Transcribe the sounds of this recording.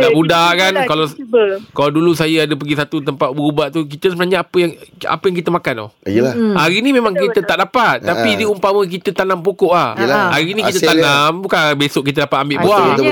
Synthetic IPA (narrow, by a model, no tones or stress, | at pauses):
ɡaʔbudakankalakaladulusajəadəp̬əɡisat̪ut̪əmpat̪̚bəubaʔt̪ukit̪əsəbənaɲaapəjaŋa̰pəjaŋk̬it̪əmakantʊ̰hahaɾinimemãŋkit̪ət̪aʔdapat̪̚ːapidiumpamə̃k̬it̪ət̪anampokɔʔlahhaɾinĩkit̪ət̪anambukanbesʊʔkit̪̬ədapat̪̚ambɪʔbua